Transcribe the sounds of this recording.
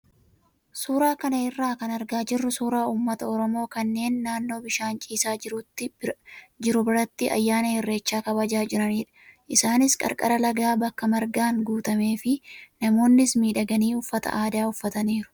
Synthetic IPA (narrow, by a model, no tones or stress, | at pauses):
suːɾaːkɐnɐɪrːaːkɐnɐɾɡaːd͡ʒɪrːʊsuːɾaːuːmːɐt̪ɐɔɾɔmo̞ːkɐnːe̞ːnːaːnːo̞ːbɪʃaːnt͡ʃʼiːsaːɪɾut̪ːɪ | d͡ʒɪɾʊbɪɾɐt̪ːɪʔɐ̰jːaːnɐhɪrːe̞ːt͡ʃːaːkɐbɐd͡ʒaːd͡ʒɪɾɐniːᶑɐ̥ʔɪsaːnɪskʼɐ̰ɾkʼɐ̰ɾɐlɐɡaːbɐkːɐmɐɾɡaːŋɡuːt̪ɐme̞ːfɪnɐmo̞ːnːɪsmiːᶑɐɡɐniːʊfːɐt̪ɐ̰ʔaːd̪aːʊfːɐt̪ɐniːɾʊ̥